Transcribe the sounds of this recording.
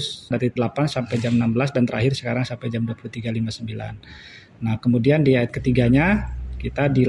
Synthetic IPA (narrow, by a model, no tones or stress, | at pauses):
sndat̪it̪dəlapansampajd͡ʒamənambəlasdant̪əɾʔa̰ɦɪrsə̥kaɾaŋsampajd͡ʒamduapuluht̪iɡalimasəmbila̰nː | ahkəmudiandiajat̪̚kət̪iɡaɲakit̪adi